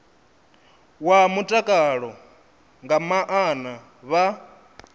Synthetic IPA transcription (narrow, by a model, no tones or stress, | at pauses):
wamutʼakʼaɺɔ | ŋɡamaʔana | βa